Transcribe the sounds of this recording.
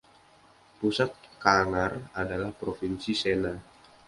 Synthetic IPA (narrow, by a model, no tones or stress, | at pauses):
pusat̪̚kaŋaradalahpɾofinsisena